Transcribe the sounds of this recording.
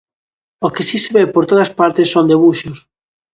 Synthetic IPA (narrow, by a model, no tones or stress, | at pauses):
okesiseβepoɾt̪oðɐspaɾt̪esːond̪eβuʃos